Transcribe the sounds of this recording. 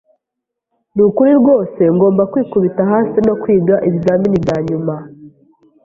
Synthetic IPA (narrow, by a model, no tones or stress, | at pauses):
nukuɾiɾɡo̞ːse̞ŋɡo̞ːmbakwiːkuβitaɦaːsino̞kwiːɡaʔiβaːminibjaːɲuma